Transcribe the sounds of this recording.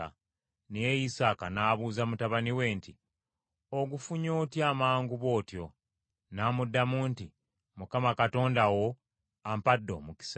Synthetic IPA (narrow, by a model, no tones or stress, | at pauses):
a̰ | nejejisaːkanaːβuːzamutaβaniwe̞ːnti | oɡufuɲoːtjaːmaːŋɡuβo̞ːtjo̞ | naːmudːamuːnti | mukamakato̞ːndawo̞ | ampadːo̞̰muki̥s